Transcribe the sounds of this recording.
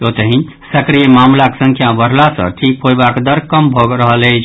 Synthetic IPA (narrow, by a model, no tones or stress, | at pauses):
ot̪əɦĩ | səkɾijəmamlaksə̃ŋkʰjabəɾ̤lasə̰̃ʈʰik̚pojbakd̪əɾkəmbʱoɡɾəɦələjt͡ʃʰ